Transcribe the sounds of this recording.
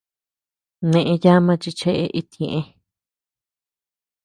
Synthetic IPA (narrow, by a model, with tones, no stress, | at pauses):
nẽ˧ʔẽ˧ja˦mã˧t͡ʃi˧t͡ʃe˦ʔe˧ʔi˧t̪ĩ˨ẽ˨ʔẽ˦